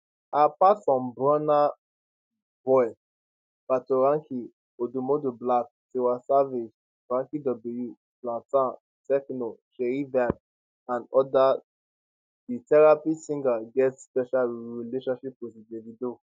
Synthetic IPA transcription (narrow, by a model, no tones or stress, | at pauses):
apasɔ̃mbɹɔna | bɔj | patoɹãŋkʰi | odumodoblak̚ | tewasaved͡ʒ | ɹãŋkidɔbluju | plãtã | tɛknoʃeivad̚ | ãnɔda | ditɛɹapisĩŋɡaɡɛtspɛʃalɹileʃɔ̃nʃiposidevido